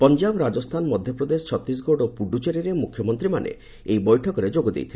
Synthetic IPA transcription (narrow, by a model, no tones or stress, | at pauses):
pɔnd͡ʒabɾad͡ʒɔst̪ʰanɔmɔd̪ʱjɔpɾɔd̪esɔ̥t͡ʃʰɔt̪ɾis̬ɡoɽɔpuɖut͡ʃeɾiɾemukʰjɔmɔnt̪ɾimanḛ | ejbɔjʈʰɔkɔɾed͡ʒoɡɔd̪ḛjt̪ʰi